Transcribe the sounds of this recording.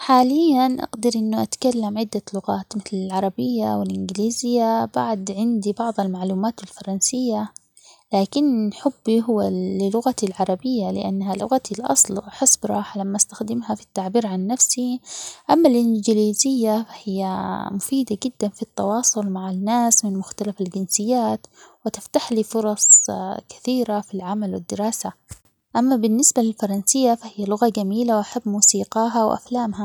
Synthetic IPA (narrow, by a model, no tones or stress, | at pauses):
ħaːlɪjːanʔa̰ɡd̪ɪɾʔɪnːʊʔat̪kalːamʕɪd̪ːalʊɣaːt̪mɪθlɪlʕɑɾˤɑbɪjːawɪlʔɪnɡɪliːzɪjːabaʕd̪ʕɪnd̪ibɑʕðˤalmaʕluːmaːt̪ɪlfɑɾˤɑnsɪjːa | laːkɪnħʊbːiɦʊwːalɪlʊɣat̪ilʕɑɾˤɑbɪjːalɪʔa̰nːhalʊ̰ɣat̪ʰilʔɑ̰sˤlħɪsbɾˤɑːħalamːaʔast̪axd̪ɪmɦafi̥t̪ːaʕbiːɾʕanːafsiʔamːalʔɪnd͡ʒɪliːzɪjːafahɪjːamʊfiːd̪aɡɪd̪ːanfit̪ːɑwɑːsˤʊlmaʕanːaːsmɪnmʊxt̪alafald͡ʒɪnsɪjːaːt̪wɪt̪ɪft̪aħliːfʊɾˤɑsˤkḁθiːɾafilʕamalwɪd̪ːɪɾɑːsa | ʔamːabɪnːɪsbalɪlfɑɾˤɑnsɪjːafahɪjːalʊɣad͡ʒamiːlawʔaħabːmuːsiːqɑːɦawʔa̰flaːmɦa